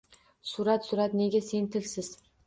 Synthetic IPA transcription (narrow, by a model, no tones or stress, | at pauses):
suɾat̪suɾat̪neɡʲasent̪ʰɪlʲsɪz̥